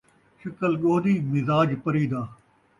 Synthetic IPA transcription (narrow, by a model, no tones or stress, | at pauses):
ʃɐkəlɠoːd̪iːmɪzaːd͡ʒpɐɾiːd̪aː